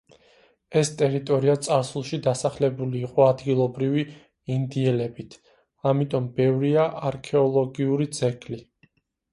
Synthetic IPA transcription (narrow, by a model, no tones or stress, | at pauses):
ɛst̪ʼɛɾit̪ʼɔɾiat̪sʼaɾsulˠʃid̪asaχlɛbuliːqʼɔad̪ɡilˠɔbɾivi | ind̪iɛlɛbit̪ʰ | amit̪ʼɔmbɛvɾiaʔaɾkʰɛɔlˠɔɡiuɾid̪z̥ɛɡʼli